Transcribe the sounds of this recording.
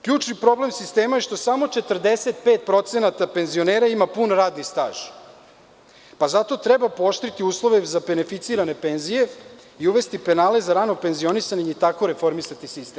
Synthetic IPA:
kʎuːt͡ʃnipɾo̞ble̞msist̪e̞ːmaje̞ʃt̪o̞samo̞t͡ʃe̞t̪r̩d̪e̞set̪̚peːt̪̚pɾo̞t̪se̞nat̪ape̞nzio̞neːɾaimapunɾaːd̪nist̪aːʒ̥ | pazat̪o̞t̪ɾe̞bapooʃt̪ɾit̪iuːslˠo̞ʋezabe̞ne̞fit̪siːɾane̞pe̞nzije̞ | iuʋe̞st̪ipe̞naːle̞zaɾanope̞nzio̞nisaɲeɲeit̪ako̞ɾe̞fo̞ɾmisat̪isist̪em

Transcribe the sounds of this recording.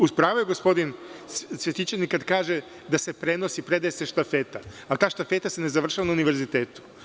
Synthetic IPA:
uspɾaːʋojeɡospo̞d̪insʋjet̪it͡ʃenikad̪kaːʒe | d̪ase̞pɾe̞no̞sipɾe̞d̪ajeseʃt̪afet̪a | alt̪aːʃt̪afe̞t̪asene̞zaʋr̩ʃaʋanauniʋe̞ɾzit̪eːt̪u̥

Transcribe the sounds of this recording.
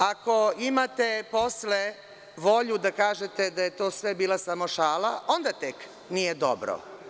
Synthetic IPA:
ako̞imat̪epo̞sle | ʋo̞ʎud̪akaːʒet̪e̞d̪aje̞t̪o̞ːsʋe̞biːlˠasamo̞ʃaːlaʔo̞nd̪at̪ek | nijed̪o̰bɾo̰

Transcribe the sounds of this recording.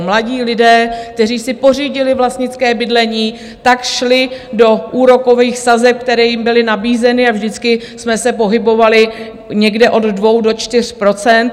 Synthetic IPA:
mlaɟiːlɪdɛːk̚t̪ɛriːsɪpo̞r̝iːɟɪlɪvlast̪ɲɪt͡skɛːbɪdlɛɲiː | t̪akʃlɪdo̞ʔuːɾo̞ko̞viːxsazɛp̚k̚t̪ɛɾɛːjɪmbɪlɪnabiːzɛnɪavʒdɪt͡skɪ | smɛsɛpo̞ɦɪbo̞valɪ | ɲɛɡdɛʔo̞dːvo̞wdo̞t͡ʃt̪ɪr̝̥pɾo̞t͡sɛnt̪

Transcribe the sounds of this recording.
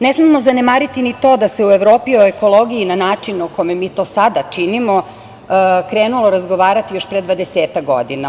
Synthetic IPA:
nesmemo̞zane̞maːɾit̪init̪o̞ːd̪ase̞ue̞ʋɾo̞ːpioeko̞lˠo̞ɡijinanaːt͡ʂinokomemiːt̪o̞ːsad̪at͡ʂinimo̞ | kɾeːnulˠoɾazɡo̞ʋaːɾat̪ijoʃpɾed̪ʋad̪eseːt̪akɡo̰d̪ina

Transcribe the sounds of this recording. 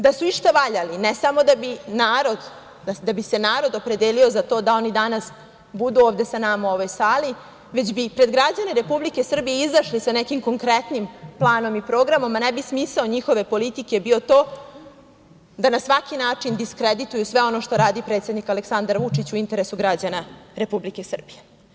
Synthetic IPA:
d̪asuiʂt̪aʋaʎalinesamo̞d̪abinaːɾo̞d̪ | d̪ad̪abise̞naːɾo̞d̪o̞pɾe̞d̪elio̞zat̪o̞ːd̪ao̞nid̪anas | bud̪uovd̪e̞sanamauo̞ʋojsaːli | ʋe̞d͡ʑbipɾe̞d̪ɡɾad͡ʑaneɾe̞publike̞sr̩bijeizaʃlisanekimko̞ŋkɾet̪nimplˠaːno̞mipɾo̞ːɡɾamo̞mːanebismisao̞ɲixo̞ʋe̞po̞lit̪ike̞bio̞t̪o̞ː | d̪anasʋakinaːt͡ʂind̪iskɾed̪it̪ujusʋe̞o̞no̞ʃt̪o̞ɾaːd̪ipɾet̪sʲe̞d̪nikaleksand̪aɾʋut͡ʂit͡ɕuint̪e̞ɾesuɡɾad͡ʑanaɾe̞publike̞sr̩bije

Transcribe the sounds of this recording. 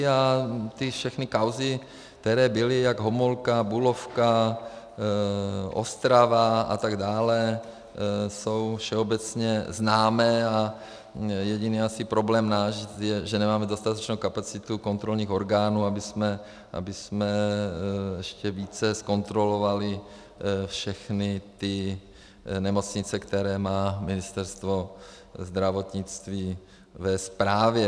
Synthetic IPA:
at̪ɪfʃɛxnikawzɪ | kt̪ɛɾɛːbɪlɪjaɡɦomolkabulofka | ʔo̰st̪ɾavaa̰t̪aɡdaːlɛ | sowfʃɛobɛt͡sɲɛznaːmɛːa | jɛɟiniːasipɾoblɛːmnaːʒjɛʒɛnɛmaːmɛdo̞st̪at̪ɛt͡ʃnowkapat͡sɪt̪uko̞nt̪ɾo̞lɲiːxo̞ɾɡaːnuːabɪsmɛ | ʔa̰bɪsmɛ | jɛʃcɛviːt͡sɛsko̞nt̪ɾo̞lovalɪ | fʃɛxnɪt̪ɪ | nɛmo̞t͡sɲɪt͡sɛkt̪ɛɾɛːmaːmɪnɪst̪ɛɾst̪vo̞ | zd̪ɾavo̞t̪ɲɪt͡st̪viː | vɛspɾaːvjɛ

